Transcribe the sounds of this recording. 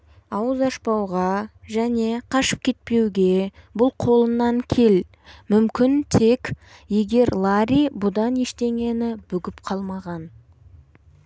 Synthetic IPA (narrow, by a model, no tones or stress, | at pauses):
ɑwəzɑʃpɑwʁɑʒæne̞qʰɑʃə̥p̚kʲʰe̞t̪̚pe̞wɡʲe̞bʊlˠqʰo̞lˠənːɑŋkʲʰe̞l | mʏmkʲɪnt̪ʰe̞kʲje̞ɡʲe̞ɾlˠaɾʲijbʊd̪ɑne̞ʃt̪e̞ŋɡʲe̞nɪbɵɡʲɪpqʰɑlˠmɑʁɑn